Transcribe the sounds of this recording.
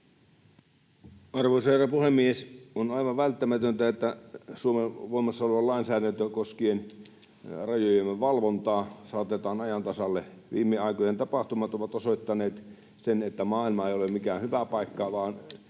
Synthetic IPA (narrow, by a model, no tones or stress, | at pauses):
ɑrʋoˑiserɑpuhemːiesonɑiʋɑʋʋælt̪ːæmæt̪ønt̪æet̪ːæsuomeʋoimˑɑsːɑolʋɑllɑˑinsæːɾænt̪økoskien | rɑjojemːeʋʋɑlʋont̪ɑːsɑːˑt̪et̪ɑːnɑjɑnt̪ɑsɑlːeʋḭːmːeɑikojent̪ɑpɑht̪umɑt̪oʋɑt̪osoit̪ːɑneːt̪ | senet̪ːæmɑːilmɑeˑijolemmikæːnhyʋæpɑikːɑʋɑːn